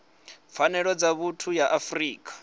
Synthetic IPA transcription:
p̪fʰanɛɺɔd͡zaβutʰujaʔafriːkʼḁ

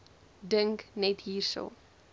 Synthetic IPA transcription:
də̃ŋknɛtjiːsə̰l

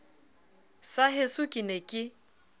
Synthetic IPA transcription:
saɦɪsʊkʼinekʼɪ

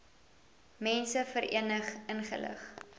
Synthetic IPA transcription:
mɛnsəfəɾʔiənəχənχə̰lə̰χ

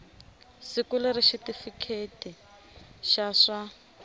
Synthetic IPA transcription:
sikulɪɾiʃitifikʰetʼi | ʃaʂa

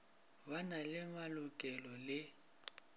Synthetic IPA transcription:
banalɪmalʊkʼɛlɔlɪ

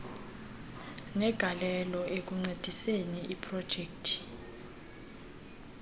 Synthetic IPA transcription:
nɛɡ̥ʱalɛlɔʔek̬uŋ͡ǀed̥ʱiseniʔipʰʼrɔd̥ʒ̥ʱeːk̚tʰi̥

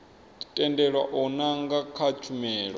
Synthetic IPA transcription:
tʼɛndɛɺwaʔɔnaŋɡakʰat͡ʃʰumɛːɺɔ

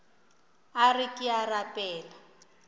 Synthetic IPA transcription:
arikʼɪarapʼɛːla

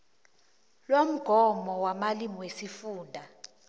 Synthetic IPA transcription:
lwom̩ɡ̥ʱɔmɔwamalimiwesifuːndʱa

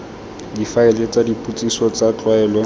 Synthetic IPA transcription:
difaɪlet͡sadipʼut͡sʼisɔt͡sat͡ɬʼwaɛːlɔ

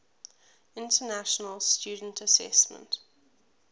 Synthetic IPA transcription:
ɪ̃ntənæʃənəlˠstjʉːdən̩tʰəsɛ̰smə̰̃nt

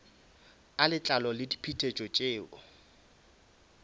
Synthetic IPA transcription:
alɪt͡ɬʼalɔlɪdi̥pʰitʰʼet͡ʃʼɔt͡ʃʼeːʔɔ

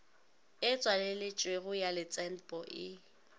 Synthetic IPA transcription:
ɪt͡sʼwalɪlɪt͡ʃʼweɣʊjalɪt͡sʼɛn̩pʼɔʔɪ

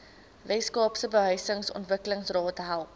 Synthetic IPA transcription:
vɛskɑːpsəbəɦœɥsəŋsɔ̰ntvəkələŋsrɑːtəɦælˠ

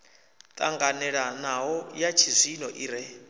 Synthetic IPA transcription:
t̪ʼaŋɡanɛɺanaɦɔjat͡ʃʰizʷinɔʔiɾɛ

